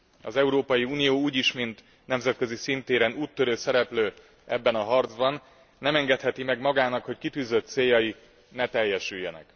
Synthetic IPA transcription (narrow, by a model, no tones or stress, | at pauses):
ɒzɛuɾoːpɒjiuːnijoːuːɟiʃmint̪ | nɛmzɛt̪̚kø̞zisint̪eːɾɛnuːt̪ːøɾøːsɛɾɛpløː | ɛbːɛnɒɦɒrd̪zbɒnː | ɛmɛŋɡɛt̪hɛt̪imɛɡmɒɡaːnɒkho̞ckit̪yːzøt̪seːjːɒji | nɛt̪ɛjːɛʃyjːɛnɛ̰k